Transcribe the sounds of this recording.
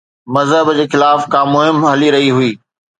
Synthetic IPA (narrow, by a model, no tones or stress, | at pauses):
mɐzɦəbd͡ʑeːxɪlaːfkãːmʊɦɪmɦɐliɾɐɦiɦuiː